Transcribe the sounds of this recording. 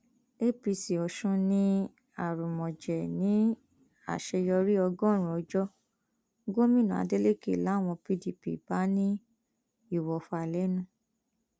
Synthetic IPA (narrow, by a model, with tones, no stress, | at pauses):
e˦pi˧si˨ɔ˨ʃũ˧nĩ˦ | a˦˨ɾu˨mɔ̃˨d͡ʒɛ˨nĩ˨˦ | a̰˦˨ʃɛ˧jɔ˧ɾi˦ɔ˧ɡɔ̃˦˨ɾ̃ũ˨ɔ˧d͡ʒɔ˦ | ɡo˦mĩ˦˨nũ˨a̰˧de˦le˦kḛ˦˨la˨˦˨w̃ɔ̃˧pi˧di˨pḭ˨b̥a˨˦nĩ˦ | i˦˨wɔ˨fa˨lɛ˨˦nũ˦